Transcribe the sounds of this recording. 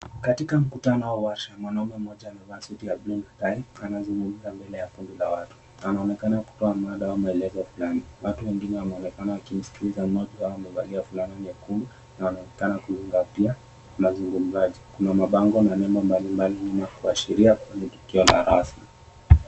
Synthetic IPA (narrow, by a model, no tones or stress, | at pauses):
katikam̩kutanɔwauwaʃamwanaumɛm̩ɔʄaːnavasutiablunataianazuŋɡum̩zambɛlɛjakundilawatu̥ | anaɔnɛkanaku̥tɔamaɗawamaɛlɛzɔfulaniwatuwɛŋɡinɛwanaɔnɛkanawakim̩si̥kilizamɔʄiwawamɛvaliafulaninɛkulu | nawanaɔnɛkanakuliŋɡapia | mazuŋɡum̩zaʄikunamaɓaŋɡɔnanɛmambalimbalinimakuaʃiɾiakwɛɲɛtu̥kiɔla̰ɾasmi